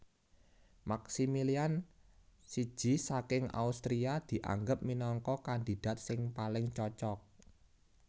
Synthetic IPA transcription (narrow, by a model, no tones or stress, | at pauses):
maksimilian | si̥ʒ̥i̤sakɪŋa̰ust̪ɾiad̪̥i̤ʔa̰ŋɡəp̚minɔŋkɔkand̪i̤d̥a̤t̪̚sɪŋpalɪŋt͡ʃɔt͡ʃɔk̚